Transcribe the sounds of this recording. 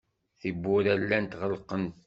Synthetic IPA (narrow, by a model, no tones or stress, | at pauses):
θibːʊɾælːænt̪ʁəlqənt̪